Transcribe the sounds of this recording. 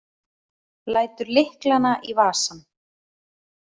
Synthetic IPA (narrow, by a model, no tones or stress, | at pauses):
laːjt̪ʏɾlɪhklanaʔivaːsan